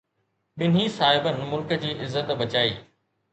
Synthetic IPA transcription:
ɓɪn̤isaːɦɪbənmʊlkəd͡ʑiːʔɪzːət̪ɓɐt͡ɕaːḭː

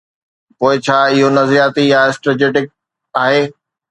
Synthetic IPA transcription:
poːɪt͡ɕʰaːɪɦonɐzɾijaːt̪ijaɪsʈɾed͡ʑeːʈɪk̚ | aːɦeː

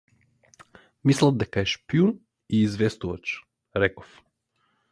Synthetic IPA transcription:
mislˠad̪ekaɛʃpiun | iːzʋest̪uʋat͡ʃ | ɾɛko̥f

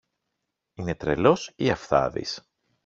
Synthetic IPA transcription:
ine̞t̪ɾe̞̰lo̞siɐfθɐ̰ðḭs

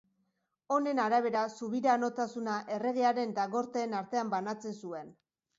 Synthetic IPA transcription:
o̞ne̞naɾaβ̞e̞ɾasuβ̞iɾano̞t̪asunaʔe̞re̞ɣeaɾe̞nd̪aɣo̞ɾt̪e̞ːnaɾt̪e̞ambanat͡se̞nsue̞n

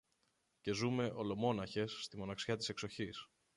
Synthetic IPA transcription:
ce̞zume̞ʔo̞lo̞mo̞nɐçe̞sːt̪imo̞nɐksçɐt̪ise̞kso̞çis

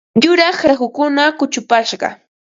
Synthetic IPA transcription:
jʊɾɑχɾaxʊkʊnakʊt͡ʃʊpaʃɢɑ̰

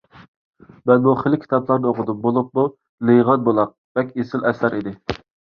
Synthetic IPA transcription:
bɛnbuχɪlɪkʲʰi̥t̪ʰɑplˠɑɾnɨoqʊd̪up̚bolˠup̚mu | lɨʁɑt̪̚bolˠɑq̚vɛkʲesɪlɛsæɾʔid̪ɪ

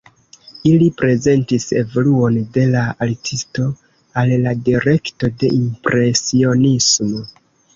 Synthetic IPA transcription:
ilipɾe̞ze̞ntise̞̰vo̞luo̞nde̞laaltʰisto̞ | alːadiɾe̞kto̞de̞ʔimpɾʔe̞sio̞nismo̞

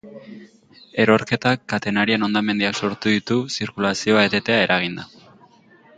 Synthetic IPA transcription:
e̞ɾo̞ɾke̞t̪akːat̪e̞naɾieno̞nd̪ame̞nd̪iakso̞ɾt̪uðit̪usiɾkulasio̞aet̪e̞t̪e̞ae̞ɾʔaɣ̞ind̪a

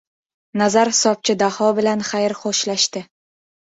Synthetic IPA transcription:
nazaɾhɪsɒp̚t͡ʃʰɪd̪ahɒbɪlanχajɾχoʃlaʃt̪ɪ

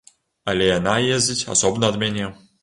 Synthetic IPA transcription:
ɐlʲɛjanajezʲd͡zʲit͡sʲa̰sɔbnɐɐd̪mʲanʲɛ

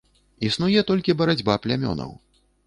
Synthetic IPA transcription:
isnujɛt̪ɔlʲkʲibɐɾad͡zʲbaplʲamʲɔ̰nɐ̰w

